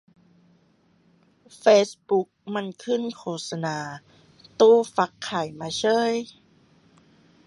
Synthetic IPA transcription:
feː˦˥sbu˧˦˥k̚ma˧˥˨nkʰɯ˥˩˨nkʰoː˧˩t̚sa˧naː˨˧˦ | t̪uː˧˥˩fa˧˦˥kʰːaː˨˩jmaː˧t͡ɕʰɤː˥˩˨j

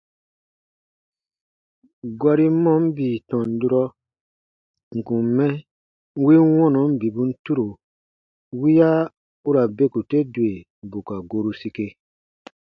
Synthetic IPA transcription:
ɡwa˦ɾi˦mɔ̃˦m˦biː˨tɔ̃˨n˨du˦ɾɔ˦ | ŋ̩˨kũ˨m˨˦mɛ̃˦ | wi˦wɔ̃˦nɔ̃˨˦m̩˦bi˨bũ˨˦n̩˦tu˦ɾo˨ | wi˦ja˦ | u˦ɾa˨be˦ku˨te˦du˨e˨ | bo˨ka˨ɡo˨ɾu˦si˧ke˧

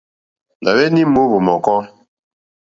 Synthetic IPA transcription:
na˨βɛ˦ni˦mo˦bo˨mɔ˨kɔ˦

